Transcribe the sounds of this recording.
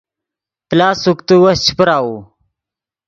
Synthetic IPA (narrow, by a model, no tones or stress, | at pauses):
plaːsukt̪uwɐst͡ɕʰi̥pɾaːwu